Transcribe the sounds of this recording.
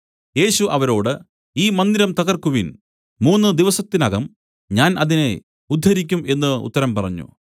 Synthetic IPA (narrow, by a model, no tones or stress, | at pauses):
je̞ːɕuʔɐʋɐɾo̞ːɽɨ | iːmɐnd̪iɾɐmt̪ɐɣɐrkuʋin | muːnːɨd̪iʋɐsɐt̪ːinɐɣɐm | ɲaːnʔɐðine̞ | ud̪ʱːɐɾikʲːume̞nːɨṵt̪ːɐɾɐmpɐrɐɲːṵ